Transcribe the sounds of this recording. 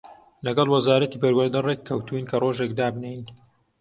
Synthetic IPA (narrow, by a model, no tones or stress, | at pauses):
lɐɡɐlˠwɐzaːɾɐt̪iːbɐɾwɐɾd̪ɐrekʰːɐwt̪uinkʰɐroːʒek̚d̪aːbnejn